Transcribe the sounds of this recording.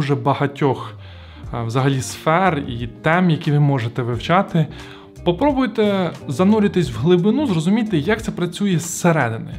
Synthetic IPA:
ʒɛbɐɦɐtʲɔx | wzɐɦɐlʲisfɛrit̪ɛmjɐkʲiʋɪmɔʒet̪ɛʋɪwt͡ʃɑt̪ɪ | pɔpɾɔbʊjt̪ɛzɐnulʲɪt̪ɪsʲwɦlˠɪbɪnuzrɔzʊmʲijt̪ɪjɐkt̪sɛpɾɐt͡sʲujɛsːeɾɛd̪ɪnɪ̰

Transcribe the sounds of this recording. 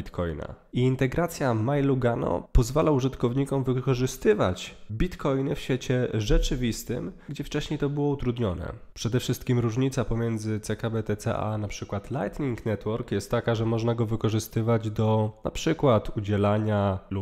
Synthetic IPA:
it̪kʰɔ̰jna̰ | iːnt̪ɛɡɾat̪sʲjamajluɡanɔ̰pɔzvalauʐɘt̪kɔvɲikɔmvɘkɔʐɘst̪ɘva̰t͡ɕbʲit̪kɔjnɘfɕfʲjɛt͡ɕɛʐɛt͡ʂɘvʲist̪ɘ̰mɡd͡ʑɛft͡ʂɛɕɲejt̪ɔbɘwɔut̪ɾud̪ɲɔnɛ̰ | pʂɛd̪ɛfʂɘst̪̚kʲimɾuʐɲit̪sapɔmʲjɛnd̪zɘt̪sɛkabɛt̪ɛt̪sɛ̰ʔa̰napʂɘkwat̪la̰jt̪ɲʲiŋknɛt̪wɔɾkjɛst̪ːakaʐɛmɔʐnaɡɔvɘkɔʐɘst̪ɘvad͡ʑd̪ɔna̰pʂɘkwat̪ud͡ʑɛlaɲalu

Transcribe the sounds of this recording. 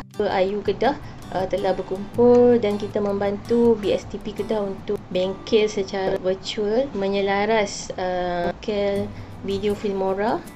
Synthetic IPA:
əʔajukədah | ʔət̪əlahbərkumpʊldankit̪amə̃mbant̪ubiɛst̪ipikədahunt̪ʊʔbɛŋkɛt̪sət͡ʃaaɾavət͡ʃuəlmə̃ɲəlaɾasəkɛl | vidiofilmoɾa

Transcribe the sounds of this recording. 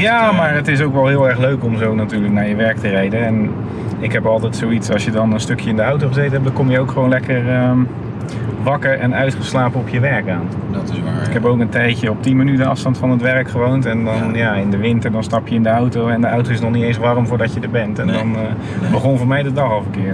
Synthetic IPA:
jaːmaːɹətɪs̬owkʋɛlˠɦɪːlˠɛɹχløɥkɔmzownatyːɹləknaːɹjəʋɛɹk̚tərɛjdənɛn | ɪkɦɛpɑlˠtɛjtsowitsɑlˠsjədɑnənstɵkʰjəɪndəawtoχəzejtənɦɛp̚dɑkɔmjəowkχəʋonlɛkəɹə | ʋɑkəɹʔɛnœɥtχəslaːpəɔpʰjəʋɛɹkaːn | dtɪaɪkɛpowkəntɛjtjəɔp̚timonytənɑ̰fstɑntfɑnətʋɛɹkχəʋowntɛndɑnjaːɪndəʋɪntədɑnstɑpjəɪndəawtowɛndəawtowɪsnɔχnitejnsʋarmvʊːɹdɑcədəɹbɛntɛndɑn | bəχɔnvʊːɹmɛjdədɑχɑlˠfəkɪː

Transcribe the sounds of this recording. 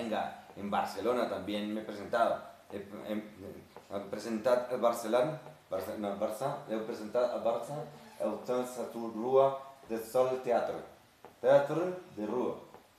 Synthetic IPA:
ŋɡa̰embaɾselonat̪ambjenmepɾesent̪aðaee | apɾesent̪at̪alβaɾselonbaɾsenabaɾsaewpɾesent̪at̪a̰lβaɾsaa̰lt̪ansat̪uruaðesɔlt̪eat̪ɾḛ | t̪eat̪ɾed̪erua̰

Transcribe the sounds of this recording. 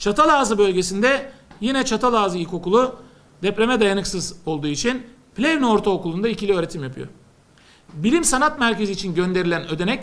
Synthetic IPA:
t͡ʃʰat̪ʰalˠaːzɯbø̞lʲɟe̞sind̪ɛjinɛt͡ʃʰat̪ʰalˠaːzɯilʲco̞kulˠu | d̪ɛpɾe̞mɛd̪ajanɯksɯzo̞lˠd̪uːit͡ʃʰin | plʲevnooɾt̪ʰaokulˠund̪aicilʲiø̞ːɾe̞t̪ʰimjapʰɯjo̰ | bilʲimsanat̪mæɾce̞ziːt͡ʃʰinɟø̞nd̪e̞ɾilʲænø̞d̪e̞nɛc

